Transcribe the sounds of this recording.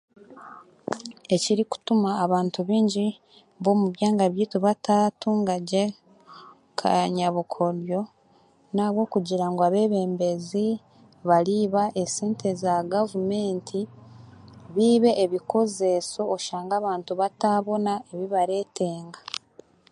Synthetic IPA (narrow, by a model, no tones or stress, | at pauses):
e̞ciɾiku̥tumaːβaːntuβiːɲɟi | βo̞ːmuβjaːŋɡaβjiːtuβataːtuːŋɡaɟe̞ | kʰaɲaβukʰo̞ɾjo̞ | naːβwo̞ːkuɟiɾaŋɡoaβe̞βe̞ːmbe̞zi | βaɾiβaʔe̞seːntʰe̞zaɡavume̞ːntʰi | βiːβe̞ʔːβikʰo̞ze̞so̞ːʃaːŋɡaβaːntuβataːβo̞nae̞βiβaɾe̞ːteːŋɡa